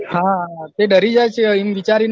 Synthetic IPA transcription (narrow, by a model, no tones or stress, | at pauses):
ɦãt̪eɖəɾid͡ʒajt͡ʃʰeimʋit͡ʃaɾin